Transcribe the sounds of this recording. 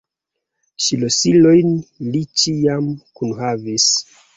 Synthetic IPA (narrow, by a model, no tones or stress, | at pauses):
ʃilosilo̞jnlit͡ʃiamkunhavis